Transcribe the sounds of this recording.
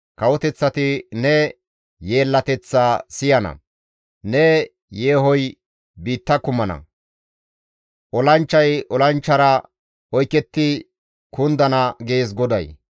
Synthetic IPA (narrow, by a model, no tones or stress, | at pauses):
kɐwɔt̪ɛt͡sːɐt̪ɪnɛ | je̞ːlːɐt̪ɛt͡sːaːsɪjɐnɐ̰ | nɛ | je̞ːɦɔj | biːt̪ːɐkʊmːɐnɐ̰ | ʔɔlɐnt͡ʃːɐjʔɔlɐnt͡ʃːɐɾɐ | ɔjkɛt̪ːɪ | kʊnd̪ɐnɐɡeːs̬ɡɔd̪ɐ̰j